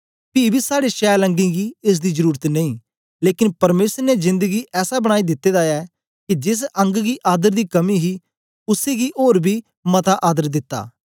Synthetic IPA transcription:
piːbiːsaːɽeːʃɛːlə̃ŋɡĩːɡiːɪs̬d̪iːzəɾuːɾət̪nə̃ĩː | leːkɪnpəɾmeːsəɾnezɪ̃nd̪əɡiːʔɛːsaːbəɽ̃aːiːd̪ɪt̪ːeːd̪aːɛː | kid͡ʒɪs̬ə̃ŋɡɡiːʔaːd̪əɾd̪iːkəmiɦiː | ʊseːɡiːʔoːɾbiː | mət̪aːʔaːd̪əɾd̪ɪt̪ːa̰ː

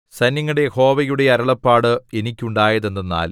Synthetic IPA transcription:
sɐnjɐŋːɐɽe̞ho̞ːʋɐjuɽe̞ɐɾɐɭɐpːaːɽɨe̞nikʲːuɳɖaːjɐðe̞nːɐnːa̰ːl

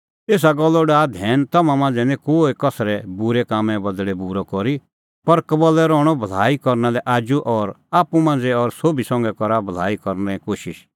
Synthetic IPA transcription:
eːs̬aɡɔlːɔɖaːd̪ʱɛːnt̪ɐmãmãːnd͡zɛnɛ̃koːekɐsɾɛbuɾɛkaːmɛ̃bɐd̪ɭɛbuɾɔkɔɾi | pɐɾkɐbəlɛɾɔːɽ̃ɔbʱɐl̤aːikɔɾnalɛʔaːd͡ʒuʔɔːɾaːpumãːnd͡zɛɔːɾsoːbisɔ̃ŋɡɛkɔɾabʱɐl̤aːikɔɾnɛkoːʃɪʃ

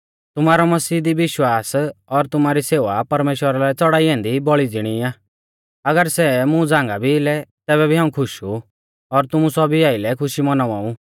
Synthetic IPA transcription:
t̪ʊmaːɾɔmɐsiːd̪iʋɪʃwaːsɔɾt̪ʊmaːɾiseːʋapɐɾmeːʃwəɾalɛt͡sɔɽaːiɦɛ̃ːnd̪ibɔɭid͡zɪɽ̃iaː | ɐɡəɾsɛmũd͡zãːŋɡabʱilɛt̪ɛːβɛbʱiɦãːũkʰʊʃu | ɔɾt̪ʊmũsɔbʱiaːɪlɛkʰʊʃimɐnaʋaːũ

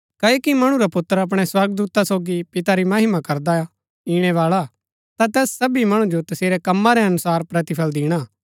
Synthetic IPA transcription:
kɐokimɐɽ̃ũɾapʊt̪ːəɾɐp̬ɽ̃ɛswɐɾɡd̪uːt̪asoːɡipɪt̪aɾimɐɦɪmakɐɾd̪aa | iːɽ̃ɛʋaːɭa | t̪at̪ɛːsːɐbimɐɽ̃ũd͡ʒot̪ɐseːɾɛkɐmːaɾɛɐnʊsaːɾpɾɐt̪ɪpʰəld̪iːɽ̃aː

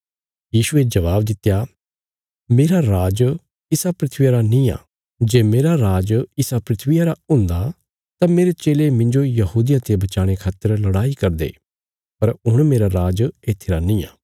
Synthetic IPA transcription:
jiːsued͡ʒɐʋaːbd̪ɪt̪ːja | meːɾaɾaːd͡ʒ | ɪsapɾɪt̪ʰʋijaɾanĩːa̰ː | d͡ʒeːmeːɾaɾaːd͡ʒɪsapɾɪt̪ʰʋɪjaɾaʊ̃nd̪a | t̪ameːɾet͡ʃeːlemɪ̃ɲd͡ʒojɐɦuːd̪ɪjãt̪ebɐt͡ʃaːɽ̃ekʰaːt̪əɾlɐɽaːikɐɾd̪ḛː | pɐɾʊɽ̃meːɾaɾaːd͡ʒeːt̪ʰɪɾanĩːa̰ː

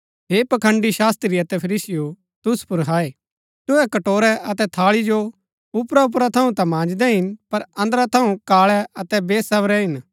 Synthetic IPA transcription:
ɦeːpɐkʰə̃ɳɖiʃaːst̪ɾiɐt̪ɛpʰɐɾiːsɪjo | t̪ʊspʊɾɦaːe | t̪ʊɛkɐʈoːɾɛʔɐt̪ɛt̪ʰaːɭid͡ʒo | ʊpɾaʊp̬ɾat̪ʰɐũt̪ãmãːd͡ʒd̪ɛɦɪnpɐɾɐ̃nd̪ɾat̪ʰɐũkaːɭɛɐt̪ɛbeːsɐʋɾɛɦɪn

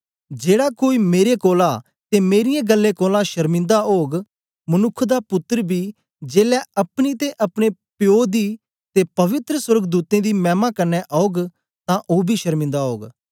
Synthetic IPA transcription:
d͡ʒeːɽaːkoːiːmeːɾekoːlaː | t̪eːmeːɾɪjẽːɡəlːẽːkoːlãːʃəɾmɪ̃nd̪aoːɡ | mənʊkʰd̪aːpʊt̪ːəɾbʱiː | d͡ʒeːlɛːɐpɽ̃it̪eʔɐpɽ̃eːpjoːd̪iː | t̪eːpəʋɪt̪ɾəswəɾɡd̪uːt̪ẽːd̪iːmɛ̃ːmaːkəɾnɛʔɔoːɡ | t̪ãːʔoːbʱiːʃəɾmɪ̃nd̪aːɦoːɡ

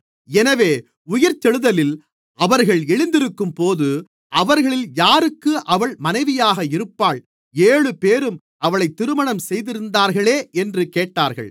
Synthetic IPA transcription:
ɛnɐʋeː | ʊjɐɾt͡ʃɛɻɯðɐlɪl | ʔɐʋɐɾɣɐɭɛɻɪnd̪ɪɾɯkːɯmpoːðɯ | ʔɐʋɐɾɣɐɭɪljaːɾɯkːɯʔɐʋɐɭmɐnɐɪʋɪjaːɣɐɪɾɯpːaːɭ | eːɭɯpeːɾɯm | ʔɐʋɐɭɐɪt̪ːɪɾɯmɐɳɐmsɛjðɪɾɯnd̪aːɾɣɐɭeːʔɛndrɯkeːʈːaːɾɣɐ̰ɭ

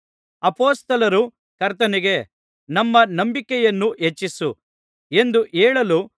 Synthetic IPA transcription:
ɐpoːst̪ɐlɐɾu | kɐɾt̪ɐniɡe̞ | nɐmːɐnɐmbikɛjɐnːuʔet͡ʃːisṵ | e̞nd̪uʔeːɭɐlu

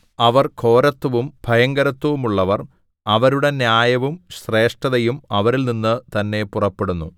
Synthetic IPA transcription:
ɐʋɐrkʰo̞ːɾɐt̪ːɐʋumb̥ʱɐjɐŋɡɐɾɐt̪ːɐʋumuɭːɐʋɐr | ɐʋɐɾuɽe̞njaːjɐʋumɕre̞ːʂʈɐðɐjumɐʋɐɾilninːɨt̪ɐnːe̞purɐpːe̞ɽunːṵ

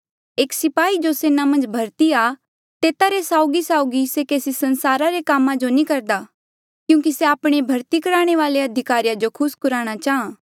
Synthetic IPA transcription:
eːksɪpaːid͡ʒoseːnamɐ̃nd͡ʒbʱɐɾt̪ia | t̪eːt̪aɾesaːʊɡisaːʊɡisekeːsisɐnsaːɾaɾekaːmãd͡ʒonĩkɐɾd̪a | kjũːkiseaːpɽ̃ebʱɐɾt̪ikɐɾaːɽ̃eʋaːleɐd̪ʱɪkaːɾijad͡ʒokʰʊskʊɾaːɽ̃at͡ʃaːɦãː

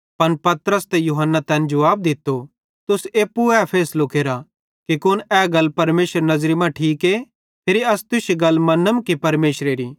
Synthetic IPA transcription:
pɐnpɐt̪ɾəst̪ɛjuɦənːat̪ɛ̃ːnd͡ʒɐʋaːb̚d̪ɪt̪ːo | t̪ʊseːpːuɛpʰeːslʊkeːɾa | kikʊnɛːɡɐlpɐɾmeːsəɾnɐzɾimãʈʰiːke | t̪ʰeːɾiɐst̪ʊseɡɐlːmɐnːəmkipɐɾmeːsɾeɾiː

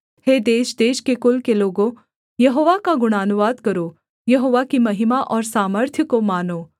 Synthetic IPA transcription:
heːd̪eːʃd̪eːʃkekʊlkeloːɡõ | jɐɦoːʋakaɡʊɽ̃aːnuʋaːd̪kɐɾo | jɐɦoːʋakimɐɦɪmaʔɔːɾsaːməɾt̪ʰjəkomaːnoː

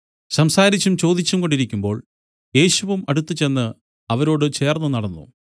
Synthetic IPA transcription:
ɕɐmsaːɾit͡ɕːumt͡ɕo̞ːd̪it͡ɕːumko̞ɳɖiɾikʲːumbo̞ːɭ | je̞ːɕuʋumɐɽut̪ːɨt͡ɕe̞nːɨ | ɐʋɐɾo̞ːɽɨt͡ɕe̞ːrnːɨnɐɽɐnːṵ

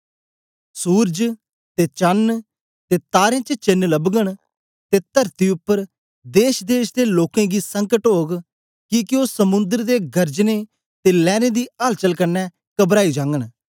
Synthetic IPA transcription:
suːɾd͡ʒ | t̪et͡ʃən | t̪eːt̪aːɾẽt͡ʃət͡ʃɪnːləbɡəɽ̃ | t̪et̪əɾt̪iʊpːəɾ | d̪eːʃd̪eːʃd̪eloːkẽɡisəŋkəʈɦoːɡ | kikɪosəmʊ̃nd̪əɾd̪eɡɐɾd͡ʒne | t̪elɛːned̪iːalt͡ʃəlkənɛ | kəbɾaːid͡ʒãːŋɡəɽ̃

